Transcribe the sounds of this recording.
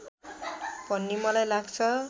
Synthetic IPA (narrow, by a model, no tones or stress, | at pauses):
b̥ʱʌnːimʌlajlaɡt͡sʰʌ